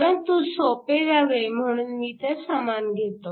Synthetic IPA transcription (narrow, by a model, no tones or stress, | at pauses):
ɾənt̪usopeɾaʋem̤əɽ̃unmiːt̪esəmanɡʱet̪o